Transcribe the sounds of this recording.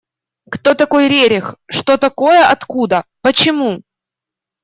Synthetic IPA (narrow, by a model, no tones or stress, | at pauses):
kt̪o̞t̪ɐko̞jɾʲeɾʲɪxʂt̪o̞t̪ɐko̞jəʔɐt̪kud̪əpət͡ɕɪmu